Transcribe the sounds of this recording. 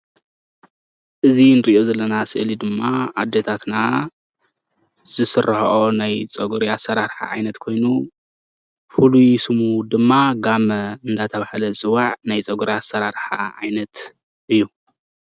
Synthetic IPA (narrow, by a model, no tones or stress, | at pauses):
ʔɨzinɨɾiʔozɐlːɐnasɨʔlid̪ɨmːaad̪ːet̪ʰat̪na | z̥ɨsɨrʔɐhɐʔonajt͡sʼɐɡuɾiasːɐɾaɾħa̰ʕa̰jnɐt̪kʰo̞jnu | fulujsɨmud̪ɨmːaɡamɐɨnd̪at̪ʰɐβahlɐzɨwaʕnajt͡sʼɐɡuɾiasɐɾaɾħa̰ʔa̰jnɐt̪ | ʔɨjːu